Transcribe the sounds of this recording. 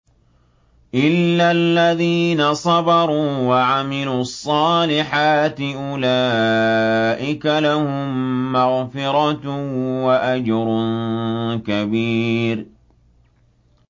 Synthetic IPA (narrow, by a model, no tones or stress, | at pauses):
ʔɪlːalːaðiːnasˤɑbɑɾˤuːwaʕamɪluːɑsˤːɑːlɪħaːt̪ɪʔʊlaː | ʔɪkalahʊmːaɣfɪɾɑt̪waʔad͡ʒɾˤʊnkabiːɾ